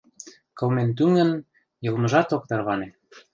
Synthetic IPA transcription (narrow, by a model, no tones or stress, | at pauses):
kɤ̆lment̪̬yŋɡə̆n | jɤ̆lmɤ̆ʒɑt̪ok̚t̪ɑrβɑne